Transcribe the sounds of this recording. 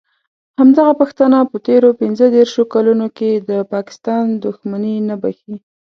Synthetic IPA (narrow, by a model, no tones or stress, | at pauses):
hamd̪aɣapaxt̪anapət̪eɾopɪnzəd̪eɾʃokalunoked̪əpɑkɪ̥st̪ɑnd̪ʊxmaninabaxi